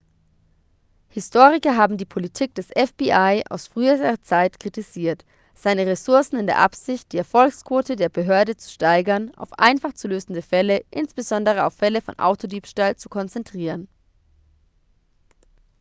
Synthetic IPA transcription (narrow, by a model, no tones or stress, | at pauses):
hɪstʰoːʁɪkɐɦaːbm̩diːpʰolitʰiːk̚d̥ɛsʔɛfb̥iʔaɪʔa̰ʊsfʁ̥yːəɐt͡saɪtkʁ̥itiziːɐt | z̥aɪnəʁesʊɐsn̩ɪndeːɐʔa̰pz̥ɪçt̚d̥iːɛɐfɔlkskv̥oːtədeːɐbəɦøːɐdət͡su̥ʃtaɪɡɐnʔa̰ʊfʔa̰ɪnfaχt͡suløːzn̩dəfɛləʔɪnsb̥əzɔndəʁ̞əa̰ʊfːɛləfɔ̰nʔa̰ʊtʰodiːpʃtaːlt͡sukʰɔnt͡sɛntʁ̥iːʁən